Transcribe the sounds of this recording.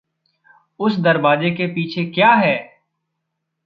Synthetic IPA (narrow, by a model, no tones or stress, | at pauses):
ʊsd̪ɐɾbaːd͡ʒekepiːt͡ʃʰekjaːɦɛː